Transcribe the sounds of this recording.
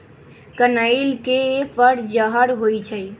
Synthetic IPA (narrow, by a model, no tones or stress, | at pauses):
kənailkepʰəɾd͡ʒəɦəɾɦojt͡ʃʰəj